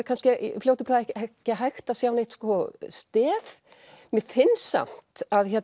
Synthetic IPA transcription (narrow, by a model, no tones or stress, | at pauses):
ɾkʰanscɪfljowt̪ɪpɾaðɛhɛhcɪɦajxt̪asjaːwnejht̪skɔst̪ɛːv | mɛðfɪnsa̰m̥t̪aðçɛt